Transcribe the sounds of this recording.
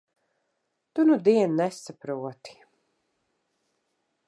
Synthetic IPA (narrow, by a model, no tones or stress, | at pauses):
t̪unud̪iɛnnɛsapɾuɔt̪i̥